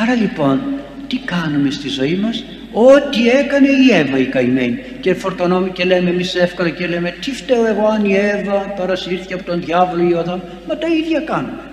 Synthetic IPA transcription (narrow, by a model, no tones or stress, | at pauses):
ɐɾɐlipo̞n | t̪ikɐnume̞st̪izo̞imɐs | o̞t̪ie̞kɐne̞ie̞vɐikɐime̞ɲi | cefo̞ɾt̪ono̞mece̞le̞memisefkolɐcelemet̪ift̪eoe̞ɣo̞ɐnievɐpɐɾɐsiɾθiceɐpo̞t̪o̞nðʝɐvo̞loioðɐm | mɐt̪ɐiðʝɐkɐnume